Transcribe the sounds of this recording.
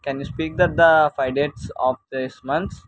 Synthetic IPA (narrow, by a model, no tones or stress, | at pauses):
kɛ̃njuːspiːk̚d̪æʈ̚d̪əfaɪɖeʈsɔfd̪ismʌ̃nt̪s